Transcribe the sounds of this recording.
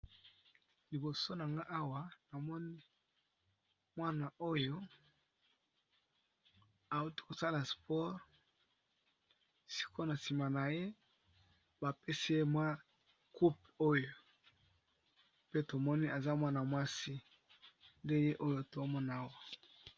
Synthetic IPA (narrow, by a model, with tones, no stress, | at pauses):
li˨bo˨so˦na˨ŋɡa˦ʔa˦wa˨na˨mɔ˦ni˦ | mwa˦na˨ʔo˦jo˦ | a˨u˦ti̥˦ko˨sa˦la˨spɔ˦ʁ | si̥˦kʰo˦na˨si˨ma˨na˨je˦ | ba˨pe˦si˦je˦mwa˦ | ku˦p̚ | o˦jo˨ | pe˦to˨mɔ˦ni˦ʔa˨za˦mwa˦na˨mwa˦si˦ | nde˦je˦ʔo˦jo˦to˨˦mɔ˦n˨a˦wa˨